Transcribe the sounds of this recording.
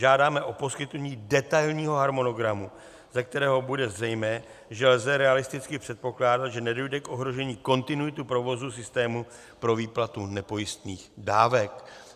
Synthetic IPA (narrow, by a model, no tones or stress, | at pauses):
ʒaːdaːmɛʔo̞po̞skɪt̪nuɲiːdɛt̪ajlɲiːɦo̞ɦaɾmo̞no̞ɡɾamu | zak̚t̪ɛɾɛːɦo̞budɛzrɛjmɛː | ʒɛlzɛɾɛalɪst̪ɪt͡skɪpr̝̥ɛt̪̚po̞klaːdat̪ʒɛnɛdo̞jdɛkʔo̞ɦɾo̞ʒɛɲiːko̞nt̪ɪnujɪt̪upɾo̞vo̞zusɪst̪ɛːmu | pɾo̞viːplat̪unɛpo̞jɪst̪niːxdaːvɛk